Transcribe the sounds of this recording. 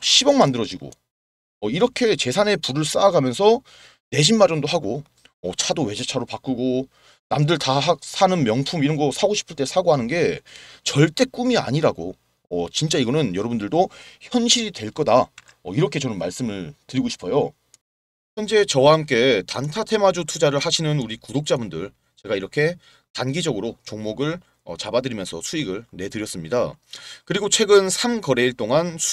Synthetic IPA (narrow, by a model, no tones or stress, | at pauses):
ɕʰibjʌŋmandɯɾʌd͡ʑiɡo̰ | ʌiɾʌkʰe̞t͡ɕe̞sʰane̞puɾɯɭs͈aːɡamjʌnsʰʌ | ne̞ɕ̬ʰinmaɾʌndoɦaɡo | ʌt͡ɕʰadowe̞d͡ʑet͡ɕʰaɾopak͈ɯɡo | namdɯɭtaɦak̚sʰanɯnmjʌŋpʰumiɾʌnɡʌsʰaɡoɕʰi̥pʰɯɭt͈e̞sʰaɡoɦanɯnɡe̞t͡ɕʌɭt͈e̞k͈umia̰ɲiɾaɡo̰ | ʌt͡ɕint͡ɕ͈aiɡʌnɯnjʌɾʌbundɯɭdoçjʌnɕʰiɾitwe̞ɭk͈ʌda | ʌiɾʌkʰe̞t͡ɕʌnɯnmaɭs͈ɯmɯɭtɯɾiɡoɕʰi̥pʰʌjo | çjʌnd͡ʑe̞t͡ɕʌwahamk͈e̞tantʰatʰe̞mad͡ʑutʰud͡ʑaɾɯɭhaɕʰinɯnuɾikudok̚t͡ɕ͈abundɯɭ | t͡ɕe̞ɡaiɾʌkʰe̞ | tanɡid͡ʑʌɡɯɾot͡ɕoŋmoɡɯɭ | ʌ̰t͡ɕabadɯɾimjʌnsʰʌsʰuiɡɯɭne̞dɯɾjʌs͈ɯmɲida̰kɯɾiɡot͡ɕʰwe̞ɡɯnsʰamkʌɾe̞iɭt͈oŋansʰ